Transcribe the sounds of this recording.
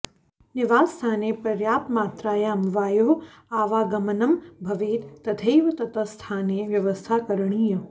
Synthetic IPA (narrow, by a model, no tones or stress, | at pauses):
nɪʋaːst̪ʰaːneːpɾɐɾjaːpmaːt̪ɾaːjaɐmʋaːjoːɦ | aːʋaːɡɐmənɐmbʱɐʋeːt̪ːɐt̪ʰejʋɐt̪ɐt̪ɐst̪ʰaːneːʋjɐʋəst̪ʰaːkɐɾɳ̃iːjɐ